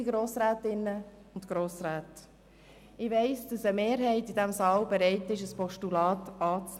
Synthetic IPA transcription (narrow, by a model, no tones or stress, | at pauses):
iɡɾoːsɾæːtɪnːə | ʊntɡ̥ɾoːsɾæːt | ɪʋɛɪsd̥ɑsəmeːɾɦɛɪtidɛmsɑːlbɛɾɛɪtɪʃəspɔʃtulɑːtɑːt͡s